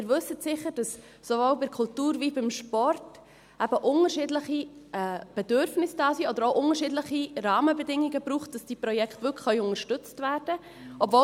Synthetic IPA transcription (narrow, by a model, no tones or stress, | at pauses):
ɪːɾvɵsətsɪχəɾd̥ɑs | sovoːlbɪkʰʊltuːɾvibɪmʃpɔrt | æb̥əʔʊnəɾʃiːdləχiʔɛːb̥ɛd̥ʏɾfnɪsd̥ɑːsiːɔd̥̪əɾoʊʔʊŋəʃiːdləχirɑːməbɛdɪŋiɡəbɾuːχt̚d̥ɑsd̥iːprɔjɛktvʏkχœʏʊŋəʃtʏt͡stvæːrd̥ə | ɔbvo